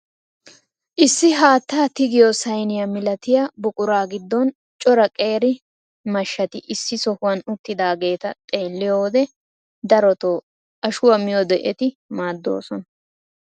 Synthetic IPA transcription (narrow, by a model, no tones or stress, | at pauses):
ʔɪsːɪɦaːt̪ːaːt̪ɪɡɪjɔsɐjnɪjamɪlɐt̪ɪjabʊkʼʊɾaːɡɪd̪ːɔn | t͡ʃʼɔɾɐkʼe̞ːɾɪ | mɐʃːɐt̪ɪʔɪsːɪsɔhʊwɐnʊt̪ːɪd̪aːɡe̞ːt̪ɐt̪ʼe̞ːlːɪjoːd̪ɛ | d̪ɐɾɔt̪oː | ʔɐʃʊwɐmɪjɔd̪ɛʔɛt̪ɪ | maːd̪ːo̞̰ːsɔnɐ